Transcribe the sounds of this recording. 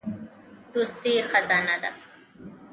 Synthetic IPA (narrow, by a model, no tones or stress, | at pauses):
d̪ust̪ixazaːnad̪a̰